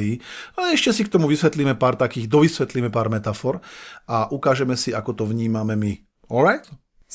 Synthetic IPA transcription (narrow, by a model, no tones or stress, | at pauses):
iiːalɛɛʃcɛsikt̪ɔmuʋisʋɛt̪liːmɛpaːɾt̪akiːɣd̪ɔʋisʋɛt̪liːmɛpaːɾmɛt̪afɔɾaʔukaːʒɛmɛsiakɔt̪ɔʋɲiːmamɛmi | ɔlɾajt̪